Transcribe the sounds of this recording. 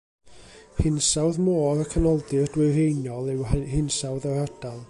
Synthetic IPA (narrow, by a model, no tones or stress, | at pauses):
hɪnsawðmoːɾəkʰənɔlˠdɪrd̥wɪrejnjɔlˠɛwhɪnsawðaɾad̥alˠ